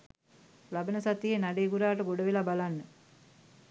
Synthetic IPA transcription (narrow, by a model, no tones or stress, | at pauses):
labənəsat̪ijenaɖeːɡuɾaːʈəɡoɽəʋelabalanːə